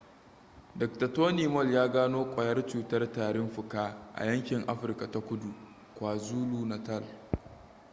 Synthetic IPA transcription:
dɐ˨k̚tɐ˨toː˦niː˨mɔ˦˨ljaː˦ɡaː˦noː˦kʷʼɐ˨jɐ˦rt͡ʃuː˨tɐ˦rtaː˨ɽɪ˦mɸʊ˨kaː˦ʔa̰˨jɐ˦ŋkʲɪ˨ŋʔa˦ɸɪ˨rka˨ta˦kʷʊ˦du˨ | kʷaː˨zuː˦luː˦nɐ˨tɐ˦˨l

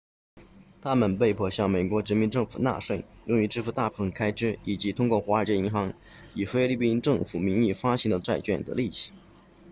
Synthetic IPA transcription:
t̪ʰa˥mə˨npe˥˧ɪpʰwɔ˥˩ɕjɑ˥˩ŋme˨˩ɪkwɔ˧˥ʈ͡ʂɻ̩˧˥mi˧˥nʈ͡ʂɤ˥˩ŋfṵ˨˩na̰˥˧ʂwe˥˩ɪjʊ˥˧ŋy˧˥ʈ͡ʂɻ̩˥˧fu˧˥˧t̪a˥˩pʰə˧˥ŋkʰa˥ɪʈ͡ʂɻ̩˥˩i˨˩t͡ɕi˧˥t̪ʰʊ˥ŋkwɔ˥˩xwa˧˥ə˞˨˩t͡ɕjɛ˥˩ni˧˥ŋxɑ˧˥ŋ | i˨˩fe˥ɪli˥˩pi˥nʈ͡ʂɤ˥˩ŋfu˨˩mi˧˥ŋi˥˩fa˥ɕi˧˥ŋd̪ə˧t͡sa˥˧ɪt͡ɕɥɛ̰˥˩nd̪ə̰˧˦li˥˩ɕi̥˨˩˦

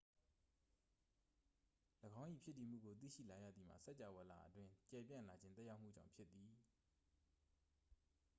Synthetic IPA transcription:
ləɡã˦ʊ̃ʔḭ˦˨pʰjɪ˦tːi˨m̥ṵ˦˨ɡo˨t̪̬ḭ˦˨ʃḭ˦˨la˨jä̰˦˨d̪ði˨m̥a̰˦˨sɛ˦ʔt͡ɕa˨wɛ˨la̰˨ʔətwɪ̃˦t͡ɕɛ˨pjã̰˦˨la˨d͡ʑɪ̃˦nt̪ɛ˦ʔja˦ʊʔm̥ṵ˦˨d͡ʑã̰˦˨ʊ̃pʰjɪ˦t̪ːi˨

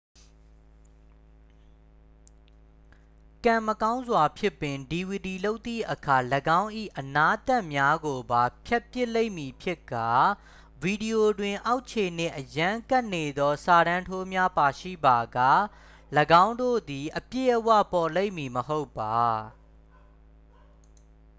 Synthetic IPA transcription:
kã˨məkã˦ʊ̃nzwa˨pʰjɪ˦pːɪ̃˨ndi˨wi˨di˨lo˦ʊt̪ːḭ˦˨ʔəkʰa˨ləɡã˦ʊ̃ʔḭ˦˨ʔəna˦ʔt̪a˦˨ʔmja˦ɡo˨ba˨pʰjɛ˦ʔpjɪ˦ʔle˦ɪ̃mi˨pʰjɪ˦kːa˨ | vi˨di˨o˨dwɪ̃˨ʔa˦ʊʔt͡ɕʰe˨n̥ɪ̰̃˦˨ʔəjã˦ka˦ʔne˨d̪ɔ˦sa˨ɾã˦ntʰo˦mja˦pa˨ʃḭ˦˨ba˨ɡa˦˨ | ləɡã˦ʊ̃ndo̰˦˨d̪i˨ʔəpjḛ˦˨ʔəwä̰˦˨pɔ˨le˦ɪ̃˨mːi˨məɦo˦ʊpːa˨

